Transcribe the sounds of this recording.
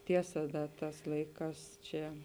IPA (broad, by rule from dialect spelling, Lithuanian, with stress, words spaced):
ˈtʲiɛsɐ ˈdɐ ˈtɑːs ˈlˠɐɪˌkɑːs ˈt͡ʃʲɛ